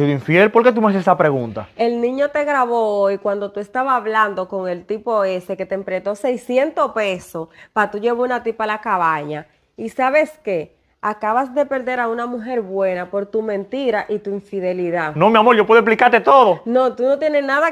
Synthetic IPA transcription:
siðoiɱfiðelpo̞ɾke̞t̪̬umeas̬esapɾe̞ɣunt̪ae̞lnĩɲo̞t̪e̞ɣɾaβo̞ojkwand̪ot̪ue̞st̪aβaːβland̪oko̞ŋe̞lt̪ipo̞e̞se̞ke̞t̪empɾet̪o̞sejsje̞nt̪ope̞sopat̪uʝe̞βounat̪ipalakaβaɲa | isaβe̞ske̞ | akaβasd̪e̞pe̞ɾðe̞ɾaunamuɦe̞ɾβwe̞napo̞ɾt̪umẽ̞nt̪iɾaʔit̪uiɱfiðe̞liðano̞miamo̞ɾʝop̬weðoesp̬likaɾt̪e̞t̪o̞ðono̞t̪uno̞t̪je̞nesnaða

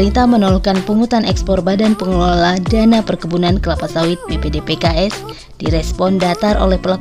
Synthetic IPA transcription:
ɾint̪ahmənɔlɔkanpuŋut̪anɛkspɔrbadanpəŋəloladanapərkəbunankəlapasawɪt̪̚bepedepekaɛs | d̥iɾɛspɔndat̪arʔo̰lɛhpəla

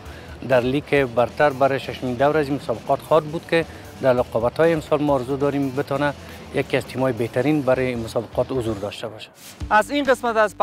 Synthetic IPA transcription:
d̪aɾlikʰebaɾt̪aɾbaɾɪʃaʃʊmind̪awɾazimʊsɒbeqɔt̪xɔt̪̚bud̪kɪ | d̪aɾlɔqɔbat̪hɔjeːmsɒlmɔːɾzud̪ɒɾimbɪt̪ɒna | jakiazt̪ʰimɔjebeht̪aɾinbaɾemʊsɒbɪqɔt̪hʊzuɾd̪ɒʃt̪abɔʃḁ | azinqəsmat̪azp

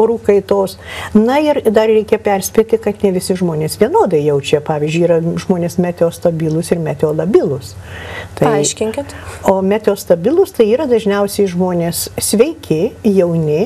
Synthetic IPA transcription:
oɾuːkɐɪt̪oːsnɐɪrd̪ɐrrʲɛɪkʲepʲɛrʲsʲpʲet̪ʲɪkɐt̪nʲɛʋʲɪsʲɪʒmoːnʲeːsʋʲiɛnoːd̪ɐɪjɛʊt͡ʃʲɛpɑːʋʲizʲd͡ʒʲʊiːɾɐʒmoːnʲeːsmʲæːt̪ʲɛoːst̪ɐbʲɪlˠʊsɪrmʲæːt̪ʲɛoːlˠɐbʲɪlˠʊs | t̪ɐɪɪʃʲkʲɪŋʲkʲɪtt̪oːmʲæːt̪ʲeoːst̪ɐbʲɪlˠʊst̪ɐɪiːɾɐd̪ɐʒʲnʲɛʊsʲɛɪʒmoːnʲeːssʲʋʲɛɪkʲɪjɛʊnʲɪ

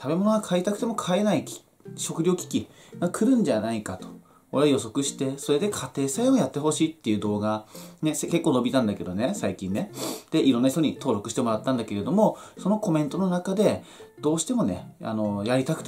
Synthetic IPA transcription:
t̪ʰabe̞mo̞noɡakʰaeit̪akɯ̟̥e̞mo̞kʰae̞naikʲi̥ | ɕo̞kɯ̟ɾʲoːkʲi̥kʲi | ɡakʰɯ̟ɾɯ̟̃ɲ̟d͡ʑanaikat̪o̥ | oɾejo̞so̞kɯ̟ɕi̥t̪e̞so̞ɾe̞d̪e̞kʰat̪e̞ːsaeojat̪ːe̞ɦo̞ɕiːt̪ːe̞iɯ̟ːd̪o̞ːɡane̞ske̞kːo̞ːno̞bʲit̪ãnd̪ake̞d̪o̞ne̞saikʲĩnːed̪̥e̞ʔiɾõ̞nːaçi̥t̪oɲ̟it̪o̞ːɾo̞kɯ̟ɕi̥t̪e̞mo̞ɾat̪ːãnd̪ake̞ɾe̞d̪o̞mo̞so̞no̞ko̞mẽ̞nt̪o̞no̞nakad̪e̞ | d̪̥o̞ːɕi̥t̪e̞mo̞ne̞̰a̰no̞jaɾʲit̪akɯ̟t̪e

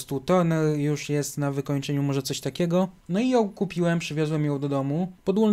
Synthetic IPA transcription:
st̪ut̪ɔnɛjuʂjɛst̪navɘkɔɲt͡ʂɛɲumɔʐɛt̪sɔɕt̪akʲɛɡɔnɔijɔ̃w̃kupʲiwɛmpʂɘvʲjɔzwɛmjɔ̃w̃d̪ɔd̪ɔmupɔd̪wul

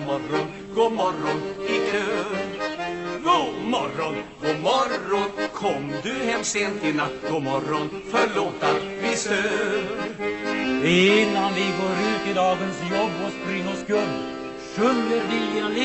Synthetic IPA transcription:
mɔɾɔn | ɡ̥oːmɔɾɔnɪkʰøː | ɡoːmɔɾɔnɡoːmɔɾɔnkʰɔmːd̪ɵɦɛmseːnt̪ʰɪlat̪ːɡoːmɔɾɔn | fœɭoːt̪avɪst̪øː | ɪnand̪ɪɡoːɾʉ̟ːt̪ɪd̪ɑːɡənsjɔbːɔspɾɪŋːɔskɵlː | ɕɵnːəɾdial

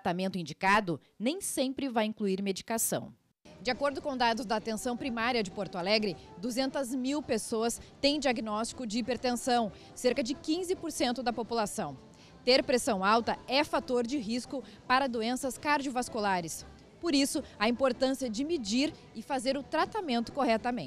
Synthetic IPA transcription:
tɾɾat̪amẽnt̪ʊĩd͡ʒikad̪ʊ | nẽj̃sẽmpɾɪvajĩŋkluiɾmed͡ʒikasɐ̰̃w̃ | d͡ʒɪakoɾd̪ʊkõw̃d̪ad̪ʊzd̪aːt̪ẽsɐ̃w̃pɾimaɾiɐd͡ʒɪpoɾt̪ʊalɛɡɾɪd̪uzẽnt̪ɐzmiwpesoɐst̪ẽj̃d͡ʒiaɡinɔst͡ʃi̥kʊd͡ʒɪipeɾt̪ẽsɐ̃w̃ | seɾkɐd͡ʒɪkĩzɪpoɾsẽnt̪ʊd̪ɐpopulasɐ̃w̃ | t̪eɾpɾesɐ̃w̃awt̪ɐɛfat̪oɾd͡ʒɪɦiskʊpaɾɐd̪uẽsɐskaɾd͡ʒiovaskulaɾɪs | poɾisʊɐĩmpoɾt̪ɐ̃siɐd͡ʒɪmid͡ʒiɾ | ɪfazeɾʊt̪ɾat̪amẽnt̪ʊ̥kohɛt̪ɐmẽt͡ʃ

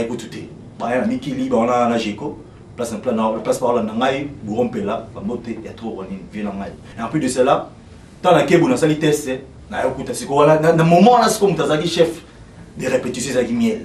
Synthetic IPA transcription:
ikutu̥tɛ | bajanamikilibawananaʒeko | plasnapanaplaspaʁolanaŋɡaibuʁom̩pelabambotejatoanivenaŋɡaipidesela | tãnakebunasalitɛsɛ | najokutasikowanananamomɔ̃nasi̥komũt̬azaakiʃɛf | deʁepetisjɔ̃zaakimjɛl

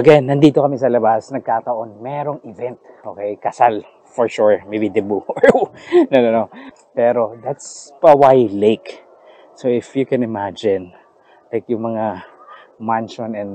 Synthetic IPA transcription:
ʔɐɡɛnːɐnd̪iːt̪okɐmɪsɐlɐbasnɐɡ̚kat̪ɐʔo̞nmɛːɾo̞ŋɪvɛnt̪̚ʔoːkɛjkɐsal | fɔɹʃuɹmejbid̪ɪbuoɹnonɐno | pɛːɾo̞d̪at̪spɐwajlejk | sowɪfjukɛ̃nɪmad͡ʒɪ̃n | lajkjʊŋmɐŋa | manʃonɛn

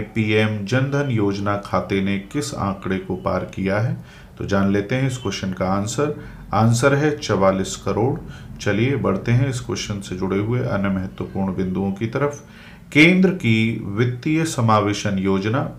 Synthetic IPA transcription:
piːɛːmd͡ʒɐ̃nd̪ʱənjoːd͡ʒnakʰaːt̪enekɪsã̰ːkɽekopaːɾkijaɦɛː | t̪o̰ːd͡ʒaːnleːt̪eɦɛ̃ɪskweʃənkaãːnsəɾ | aːnsəɾɦɛt͡ʃɐʋaːliːskɐɾoːɽt͡ʃɐliebɐɽ̤t̪eɦɛ̃ɪskweʃənsed͡ʒʊɽeɦʊeʔɐ̰njəmɐɦət̪wəpuːɾɳbɪ̃nd̪uõkit̪ɐɾəf | kẽːnd̪ɾəkiʋɪt̪ːijəsɐmaːʋeːʃənjoːd͡ʒnaː

